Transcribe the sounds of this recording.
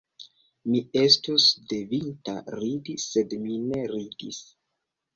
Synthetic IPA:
mie̞stusde̞vinta̰ɾidiːe̞dmine̞ɾidḭs

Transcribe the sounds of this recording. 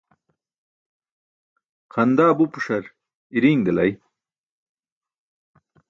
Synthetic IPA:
qʰɐnd̪aːbupuʂɐɾ | iɾiːŋd̪ɐlɐj

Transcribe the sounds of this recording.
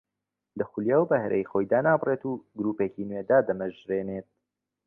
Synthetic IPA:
lɐxuljɛwbɐhɛɾʔḛjxoːjd̪aːnaːbreːt̪uːɡɾuːpeːcinwed̪aːd̪ɐmɐʒɾeːneːt̪̚

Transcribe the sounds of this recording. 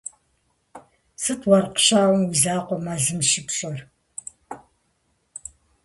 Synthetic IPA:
sɨtʰwɐrqɕaːwɔmwizaːqʷɔmɐzɨmʃɪpɕʼɔr

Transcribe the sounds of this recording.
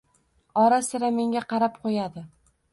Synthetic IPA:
ɒɾasɪɾame̞ŋɡʲaqɑɾap̚qʰojad̪ɪ

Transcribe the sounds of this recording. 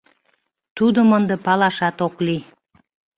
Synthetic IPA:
t̪ud̪əmənd̪əpɑlɑʃɑt̪okli

